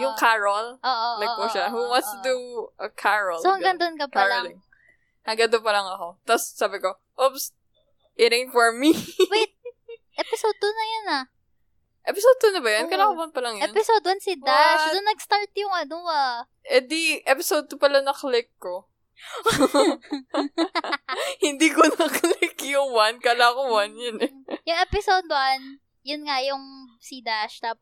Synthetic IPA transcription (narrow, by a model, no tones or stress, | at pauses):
jʊŋkʰaɹɐloːʔolɐoʃahuwɐnst̪d̪uʔɐkʰaɹɐlsohɐŋɡɐŋd̪onkɐpɐaɹlɪŋ | hɐŋɡɐd̪opɐlɐŋɐko̞t̪ɐssabɪko | ʔops | ʔiɾɪŋfɔɹmiwat̪̚ | ʔɛpɪsod̪ʊnɐjonɐ | ʔɛpɪsod̪̚kʊnɐbɐjonkɐlaːkowanpɐlɐŋjɛnpɪsod̪wɐnsɪd̪aʃdd̪ʊnːɐɡ̚st̪aɹt̪jʊŋɐnoa | ʔɛd̪iʔɛpɪsod̪̚kopɐlanɐklɪkːo | hɪnd̪iːkonɐklɪkjʊŋwankɐlaːkowanjɐnɛjʊŋɛpɪsod̪̚wʔɐn | jʊnŋajʊŋsid̪aʃt̪ap